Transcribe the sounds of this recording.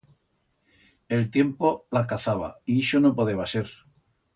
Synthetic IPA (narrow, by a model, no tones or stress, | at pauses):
e̞lt̪je̞mpolakaθaβ̞a̰iesonopoðeβase̞ɾ